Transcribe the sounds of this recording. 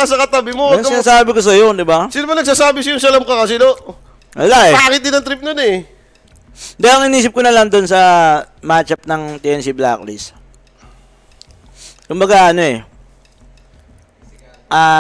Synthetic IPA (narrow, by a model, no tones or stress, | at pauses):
ɐsɐkɐt̪ɐbɪmoaŋsɪnaːsaːbɪkos̬ɐjo̞d̪ɪbasiːnomɐnɐɡ̚s̬aːsaːbɪsɐjoŋs̬ɐlɐmkɐkɐsɪno | wɐlaʔɛpaːkɪt̪̚ːɪnɐŋt̪ɾɪp̚nonɛ | d̪aloŋɪniːsɪp̚konɐlɐŋd̪onsɐ | maːt͡ʃɐp̚nɐŋt̪ɪɛnsibla̰klɪs | kʊmbɐɡaʔɐno̞ʔɛ | ʔaː